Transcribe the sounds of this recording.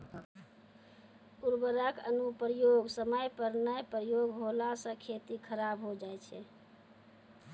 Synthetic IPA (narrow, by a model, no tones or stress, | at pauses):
uɾbəɾəkə̰nupɾjoɡsəməjpəɾnəjpɾjoɡɦolasə̃kʰet̪ikʰəɾabɦod͡ʒajt͡ʃʰɛ